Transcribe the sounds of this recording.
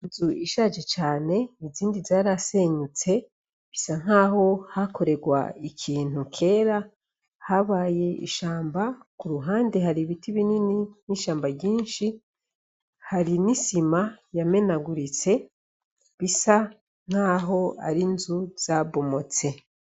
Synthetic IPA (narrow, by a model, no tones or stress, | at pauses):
inzuiʃaʒe̞t͡ʃaːne̞niziːndizaːɾase̞ɲut͡se̞ | βisaŋ̥aːɦo̞hako̞ɾe̞ɡwa̰ikʰiːn̥ukʰe̞ːɾa | haβaːje̞ḭʃaːmbakuɾuɦaːnde̞ɦaɾiβitiβinininiʃaːmbaɟiːnʃi | haɾinisimajame̞naɡuɾit͡se̞ | βisa | ŋ̥aːɦo̞a̰ɾinzuz̥aβo̞mo̞t͡se̞